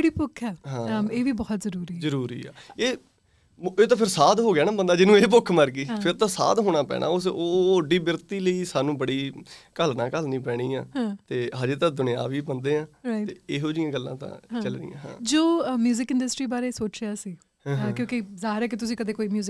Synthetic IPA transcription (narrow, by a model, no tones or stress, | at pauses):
d͡ʒeɽiːpʊkʰːɛːɦãːəeːʋiːbɔːt̪zəɾuːɾiːzəɾuːɾiːɛ̰ːeː | eːt̪ãːpʰɪɾsaːd̪ɦoːɡɪaːnaːbənd̪aːd͡ʒɪnũːeːp̬ʊkʰːməɾɡiːpʰɪɾt̪ãːsa̰ːd̪ɦoːɽ̃aːpɛ̰ːɽʔa̰ːʊsoːɖiːbɪɾt̪iːləiːsaːnũːbəɽiːkəlnãːkəlnĩːpɛːɽ̃iːã̰ːɦãːt̪eːɦaːd͡ʒeːt̪ãːd̪ʊnja̰ːʋiːbənd̪eːãːɾait̪eːeːɦoːd͡ʒɪjãːɡəlːã̰ːt̪ã̰ːat͡ʃəlnḭːã̰ːɦã̰ːd͡ʒoːmjuːzɪkɪ̃ɳɖəsʈɾiːbaːɾeːsoːt͡ʃjaːsiː | ãkjõːkizaːɦɪɾɛːkɪt̪ʊsĩːkəd̪eːkoːiːmjuːzɪ